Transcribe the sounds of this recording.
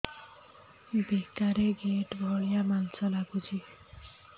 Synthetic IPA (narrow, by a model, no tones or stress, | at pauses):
bekaɾeɡeʈbʱɔɭijamansɔlabud͡ʒʱi